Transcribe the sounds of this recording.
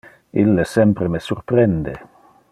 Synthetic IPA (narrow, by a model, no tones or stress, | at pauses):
ilːesɛmpɾemesurpɾɛnd̪e